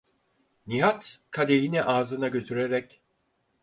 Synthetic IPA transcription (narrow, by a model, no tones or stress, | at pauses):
niɦat̪kʰad̪ejiniʔaːzɯnaɟø̞t̪ʰyɾeɾɛc